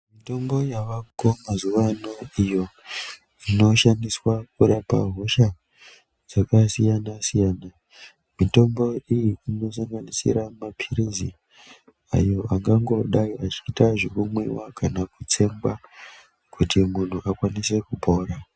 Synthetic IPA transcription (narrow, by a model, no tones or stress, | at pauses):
mito̞mbo̞jaʋakomazuʋanoijo̞ | ino̞ʃaniswakuɾapa̰ɦo̞ʃa | d͡zakasijanasijaːna | mito̞mbo̞ijiino̞saŋɡanisḭɾamapʰiɾizi | a̰jo̞ʔaŋɡaŋɡo̞ɗaiat͡ʃiːtaʐekumwewa̰kʰanakut͡se̞mɡwa | kutimun̤uʔakwanise̞kubʱo̞ːɾa